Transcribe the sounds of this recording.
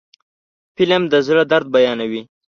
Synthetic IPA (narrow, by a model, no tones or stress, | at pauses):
pɪlamd̪əzɽəd̪aɾd̪̚bajɑnawi